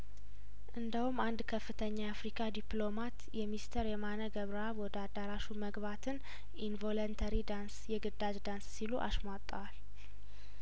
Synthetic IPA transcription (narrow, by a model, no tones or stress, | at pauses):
ʔɨnd̪əhumand̪kʰəfːɨt̪ʰəɲːaːfɾikʰad̪iplo̞mat̪jɛmist̪ʰəɾjɛmanəɡəβɾəaβwɔd̪əad̪aɾaʃuməɡβat̪ʰɨn | invo̞lont̪ʰəɾid̪ansjɛɡɨd̪ad͡ʒd̪anssiluʔa̰ʃmat̪ʼːəwal